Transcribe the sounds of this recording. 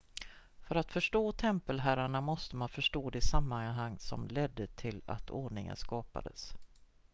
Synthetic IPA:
fœɾat̪fœʂʈoːt̪ʰɛmpəlɦæːɾaɳamɔst̪əmanfœʂʈoːd̪ɛsamːanɦaŋːsɔ̰mlɛd̪ːət̪ʰɪla̰t̪ʰoːɳɪŋə̰nskɑːpa̰d̪əs

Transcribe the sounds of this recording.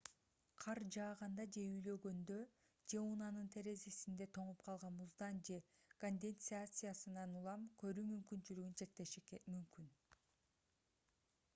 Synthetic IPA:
qʰɑɾd͡ʒɑːʁɑnd̪ɑd͡ʒe̞yjlø̞ɡø̞nd̪ø̞ | d͡ʒe̞unɑnɯnt̪ʰe̞ɾe̞zisind̪e̞t̪ʰo̞ɴupqʰɑlˠʁɑnbuzd̪ɑnd͡ʒe̞ | konʲd̪ʲe̞nt̪sɨat̪sɨjasɯnɑnulˠɑmkʰø̞ɾyːmymkynt͡ʃylyɡynt͡ʃʰe̞k̚t̪e̞ʃikmymkyn

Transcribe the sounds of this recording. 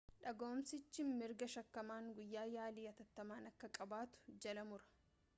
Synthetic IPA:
ᶑɐɡo̞ːmsɪt͡ʃːɪmɪɾɡɐʃɐkːɐmaːŋɡʊjːaːjaːliːɐt̪ɐt̪ːɐmaːnɐkːɐkʼɐbaːt̪ʊ̥d͡ʒɐlɐmʊɾɐ̥

